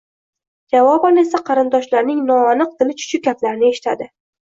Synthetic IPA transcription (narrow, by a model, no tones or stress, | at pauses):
d͡ʒavɒbɒle̞saqʰɑɾɪnd̪ɒʃlaɾnɪŋnɒːnɨq̚d̪ɪlɪt͡ʃʰʊ̥t͡ʃʰʊkʲːat̪laɾɪnɪe̞ʃɪ̥t̪ʰad̪ɪ